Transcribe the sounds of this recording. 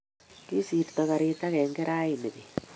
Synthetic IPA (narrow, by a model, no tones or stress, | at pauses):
kisiɾtaɣaɾetaɣɛːŋɡeɾaineði